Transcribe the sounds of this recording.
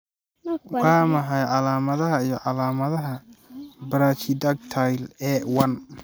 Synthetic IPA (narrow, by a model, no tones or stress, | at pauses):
wɑːmɐɦajʕɑlaːmɐðɐɦɐijɞʕɑlaːmɐðɐɦɐbɐɾaːt͡ʃid̪ɐk̚t̪ʰajlɛːwɐn